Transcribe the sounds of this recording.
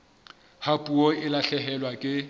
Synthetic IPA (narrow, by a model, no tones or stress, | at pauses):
hapʼuɔɪlaɬɛɦɛlwakʼɪ